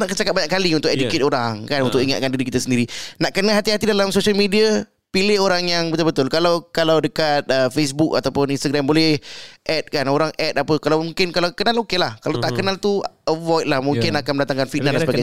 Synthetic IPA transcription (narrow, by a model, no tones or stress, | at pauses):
naʔkət͡ʃakat̚baɲaʔkːaliunt̪ʊkeduket̪oɾaŋkanunt̪ʊkiŋa̰t̪̚kandiɾikit̪asəndiɾinaʔkənəɦat̪iɦat̪idalamsoʃialmidia | pilɪhoɾaŋjaŋbət̪ʊlbət̪ʊlkalawkalawdəkat̪̚əfes̬buka̰t̪awpʊninst̪aɡɾɛmbolɛhʔɛt̪̚kanoɾaŋʔɛt̪apəkalawmũŋkɪnkalawkənalokelahkalawt̪aʔkənalt̪uəvɔjt̪̚lahmũŋkɪnakanməndat̪aŋkanfinadasəbaɡaj